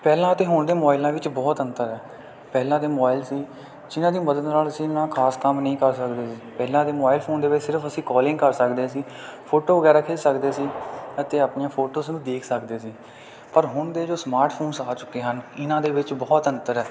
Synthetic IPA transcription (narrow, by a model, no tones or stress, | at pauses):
pɛːlãːət̪eːɦʊɳd̪eːmɔːɪlãːʋɪt͡ʃbɔːt̪ənt̪əɾɛː | pɛːlãːd̪eːmobaːɪlsiː | d͡ʒɪnãːd̪iːməd̪əd̪naːləsĩːnãːkʰaːskəmnəĩːkəɾsəkd̪eːsiːpɛːlãːd̪eːmoːaːɪlpʰoːnd̪eːʋɪt͡ʃsɪɾəpʰəsĩːkɔːlɪ̃ŋɡkəɾsəkd̪eːsiː | pʰoːʈoːʋəɡɛːɾaːkʰeːsəkd̪eːsiːət̪eːaːpnɪjãːpʰoːʈoːsnũːd̪eːkʰsəkd̪eːsiː | pəɾɦʊɳd̪eːd͡ʒoːsmaːɾʈpʰoːnsaːt͡ʃʊkːeːɦənɪnãːd̪eːʋɪt͡ʃbɔːt̪ənt̪əɾɛː